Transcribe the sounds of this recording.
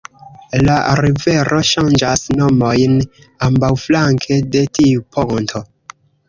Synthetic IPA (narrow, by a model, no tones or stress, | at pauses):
laɾiveɾʔo̞ʃand͡ʒasnomojn | ambawflaŋkʰede̞tiupʰoŋntʰo